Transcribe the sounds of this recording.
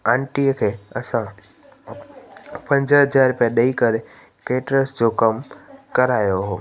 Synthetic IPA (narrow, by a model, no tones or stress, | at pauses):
ãːnʈiəkʰeːɐsã | pɐ̃ɲd͡ʑəɦɐd͡ʑaːɾpãɗɐikɐɾe | keːʈɾəsd͡ʑoːkɐmkɐɾaːjoɦoː